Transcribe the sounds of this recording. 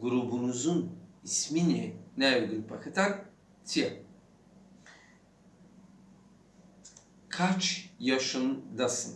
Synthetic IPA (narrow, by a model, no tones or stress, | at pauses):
ɡuɾubunuzunisminɛnæd̪inpʰakʰat̪ʰaɾ | t̪ʰija | kʰat͡ʃjaʃɯnd̪asɨn